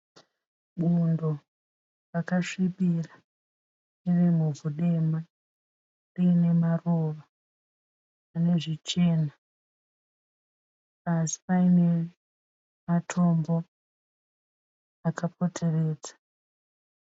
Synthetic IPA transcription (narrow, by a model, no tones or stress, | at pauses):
ɓundo̞ | rakaʂiɓira | irimuvʱuɗe̞ma | riːne̞maroʋa | ane̞ʐit͡ʃe̞ːna | asi̥paine̞ | matʰo̞mbo̞ | akapo̞tʰe̞re̞ːd͡zḁ